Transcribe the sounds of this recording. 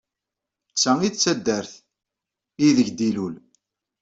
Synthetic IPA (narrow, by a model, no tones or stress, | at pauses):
t͡sːæit͡sːæd̪ːəɾθ | iðəʝd̪ilul